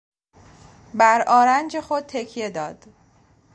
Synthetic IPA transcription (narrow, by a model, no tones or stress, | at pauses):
bæɾɒːɾænd͡ʒe̞xod̪̚t̪ʰe̞cʰije̞d̪ɒːd̪̥